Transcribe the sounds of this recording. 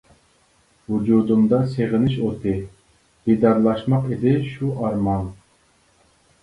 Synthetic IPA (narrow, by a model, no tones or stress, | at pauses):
wud͡ʒud̪umd̪ɑseʁɪnɪʃot̪ʰɨ | b̥id̪ɑɾlˠɑʃmɑqid̪ɪʃuɑɾmɑn